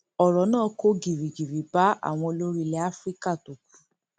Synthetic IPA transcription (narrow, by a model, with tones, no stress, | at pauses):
ɔ˨ɾɔ˨˦nãː˦˨ko˦ɡi˨ɾi˨ɡi˨ɾi˨ba˨˦a̰˦˨w̃ɔ̃˧lo˦ɾi˦lɛ˦a˦fɾi˦ka˦˨to˨k̚u̥˨˦